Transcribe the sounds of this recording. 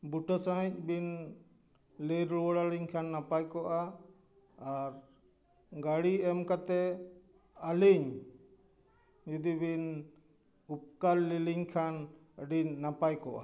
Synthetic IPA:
buʈɔsãɦĩc̚ˀbin | lɛɾwɔɽaliɲkʰanːapajkɔʔaː | ɾ | ɡaɽiɛmkat̪ɛ | aliɲ | d͡ʒɔd̪ibin | up̚kaɾliliɲkʰanəɖiɲːapajkɔʔa

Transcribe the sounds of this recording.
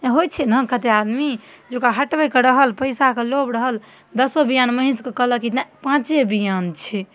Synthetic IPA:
ɦojt͡ʃʰɛnəkət̪ead̪mi | d͡ʒokaɦəʈʋəjkəɾəɦəlpəjsakelobɾəɦəl | d̪əsobijanməɦĩskekələkit̪napãt͡ʃebijant͡ʃʰɛ

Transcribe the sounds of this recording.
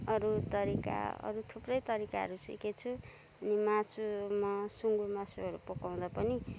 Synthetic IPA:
ʌɾut̪ʌɾika̰ʌ̰ɾut̪ʰuprʌjt̪ʌɾika̰ɦʌ̰ɾusḭket͡sʰu | ʌnimat͡sʰumasuŋɡumasʰuɦʌɾupokaw̃d̪apʌni

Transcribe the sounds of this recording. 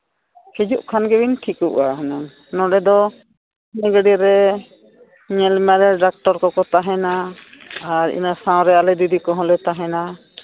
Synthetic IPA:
hɛd͡ʒuʔkʰanɡɛbinʈʰikuʔaɦənan | nɔ̃ɖɛd̪ɔ | nɛɡəɖiɾɛ | ɲɛlmɛɾɛɖak̚ʈɔɾkɔkɔt̪aɦɛna | aɾḭnasãw̃ɾɛalɛd̪id̪ikɔɦɔ̃lɛt̪aɦɛna

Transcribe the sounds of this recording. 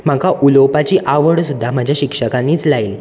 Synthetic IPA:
m̤akaʔulopat͡ɕiːʔaʋəɽsud̪ʱːam̤ad͡ʑʱjaɕikʂəkaniːt͡slail

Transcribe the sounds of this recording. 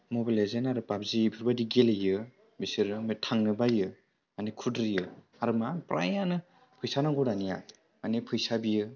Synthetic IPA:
mobilajzenaɾɯpap̚zibʰʱiɾbadiɡelejɯ | bisɯɾɯmɯtʰaŋnɯbajɯ | anekʰudɾijɯ | aɾɯmapɾʔa̰janɯ | pʰɯjsanaŋɡɔdanija̰ | anepʰɯjsabijɯ

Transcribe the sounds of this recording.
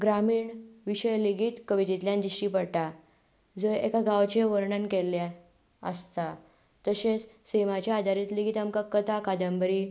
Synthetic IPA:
ɡɾamiːɳʋiɕəjliɡiːt̪kəʋit̪it̪ljãnd̪iɕipəɽʈa | d͡zəjekaɡawt͡ɕeʋəɾɳənkela | ə̰st̪a | t̪əɕet͡ssemat͡ɕjaad̪ʱaɾiːt̪liɡʱiːt̪amkakːət̪akad̪əmbəɾi

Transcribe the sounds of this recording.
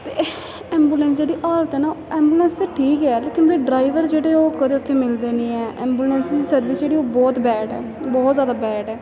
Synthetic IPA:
t̪eː | ɛ̃ːmbuːlɛ̃nsd͡ʒeːɽiːʔaːlt̪ɛːnaːɛːmbuːlɛ̃ːnseːʈʰiːkɛːleːkɪnbeːɖɾaːiʋəɾd͡ʒeːɽeːoːkəd̪eːʊt̪ʰːeːmɪld̪eːnĩːɛːʔɛ̃ːmbuːlɛːnsd̪iːsəɾʋɪsd͡ʒeːɽiːoːbɔːt̪bɛːɖɛː | bɔːt̪zjaːd̪aːbɛːɖɛː

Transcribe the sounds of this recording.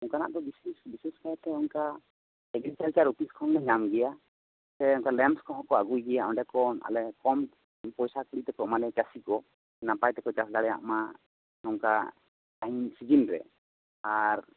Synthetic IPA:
ɔŋkana̰ʔd̪ɔbisɛsbisɛskajt̪ɛɔŋka | ɛɡɾit͡ʃalt͡ʃaɾupiskʰɔŋnɛɲamɡɛja | t̪ɛɔŋkalɛmskʰɔɦɔkɔaɡujɡɛjaɔɳɖɛkɔna̰lɛkɔm | pɔjsakuɽiʔt̪ɛkɔʔmalɛt͡ʃasikɔ | ɛnapajt̪ɛkɔt͡ʃaslaɽɛja̰ʔma | ɔŋka̰ | ainsid͡ʒinɾɛ̰ | aɾ

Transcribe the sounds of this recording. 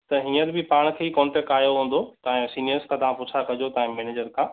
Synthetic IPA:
t̪ɐɦĩːəɾbʱɪpaːɽ̃kʰeːikɔ̃ːɳʈɛk̚ʈaːjoɦũːn̆d̪ot̪ɐẽsiːnijəɾskʰãt̪ɐʋ̤ãpʊt͡ɕʰakɐd͡ʑot̪ɐɦɪ̃mɛːneːd͡ʑəɾkʰãː

